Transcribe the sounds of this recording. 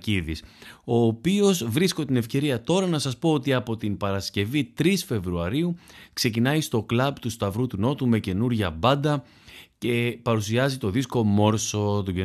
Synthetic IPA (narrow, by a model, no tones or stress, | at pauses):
iðiso̞ːpio̞zvɾisko̞t̪ine̞fce̞ɾiɐt̪o̞ɾɐnɐsɐspo̞ot̪iɐpo̞t̪inpɐɾɐsce̞vit̪ɾisfe̞vɾuɐɾiukse̞c̬inɐjst̪o̞klɐbt̪ust̪ɐvɾut̪uno̞t̪ume̞ce̞nuɾʝɐbɐnd̪ɐ | ce̞pɐɾusiɐzit̪o̞ðisko̞mo̞ɾso̞t̪uɟe